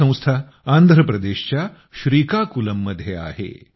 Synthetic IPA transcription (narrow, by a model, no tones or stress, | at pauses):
ɐ̃w̃st̪ʰa | and̪ʱɾəpɾɐd̪eːɕt͡ɕja | ɕɾiːkakulɐmːɐd̪ʱjea̰ːɦḛ